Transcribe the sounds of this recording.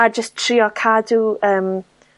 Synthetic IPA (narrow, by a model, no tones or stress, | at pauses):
ad͡ʒəstʰr̥iːɔkʰaduəːm